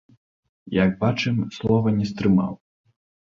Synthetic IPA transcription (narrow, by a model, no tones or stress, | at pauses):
jaɡbat͡ʂɨmslˠɔvɐnʲɛst̪ɾɨma̰w